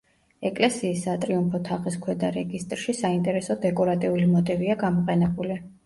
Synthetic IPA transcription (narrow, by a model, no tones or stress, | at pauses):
ɛkʼlɛsiːsːat̪ʼɾiumpʰɔt̪ʰaχiskʰwɛd̪aɾɛɡist̪ʼɾʃisaint̪ʼɛɾɛsɔd̪ɛkʼɔɾat̪ʼiulimɔt̪ʼiviaɡamɔqʼɛnɛbuli